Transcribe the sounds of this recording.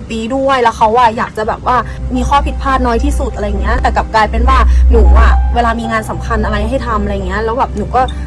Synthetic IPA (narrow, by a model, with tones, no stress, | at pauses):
t̪iː˧du˥˩əjlɛ˦˥wxʰa˦˥wːaː˥˩jaː˨˩k̚t͡ɕa˨˩bɛː˨˩p̚waː˥˩ | miː˧xʰɔː˥˩pʰi˨˩t̪̚pʰaː˥˩t̪̚nɔː˦˥jt̪ʰiː˥˩su˨˩t̪ʔa˧ɾa˧ja˨˩ŋːi˦˥ɐt̪ɛː˨˩ka˨˩p̚klaː˧jpe˧nwaː˥˩nuː˩˦waː˥˩weː˧laː˧miː˧ŋaː˧nsa˩˦mkʰa˧nʔa˧ɾa˧jɦa˥˩jt̪ʰa˧mʔa˧ɾa˧ja˨˩ŋːi˦˥ɐʔlɛː˦˥wbɛː˨˩p̚nuː˨˩˦kɔː˥˩